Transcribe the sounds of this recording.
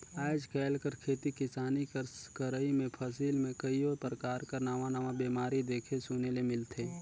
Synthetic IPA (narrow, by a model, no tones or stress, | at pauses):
aːɪd͡ʒkɛːlkəɾkʰeːt̪ikɪsaːnikəɾkəɾəimẽpʰəsiːlmẽkəioːpɾəkaːɾkəɾnaːʋãnaːʋãbiːmaːɾid̪eːkʰesunelemɪlt̪ʰe